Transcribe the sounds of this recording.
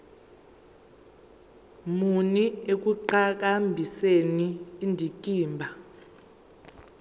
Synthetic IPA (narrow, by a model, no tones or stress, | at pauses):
muniek̬uǃak̬ambʱiseniːndʱikʼiːmbʱa